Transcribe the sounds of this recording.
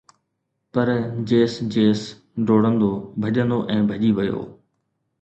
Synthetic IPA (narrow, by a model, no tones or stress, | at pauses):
pɐɾd͡ʑeːsd͡ʑeːs | ɖoːɽə̃nd̪obʱɐʄə̃nd̪oʔɛ̃ːbʱɐʄiʋɐjo̰ː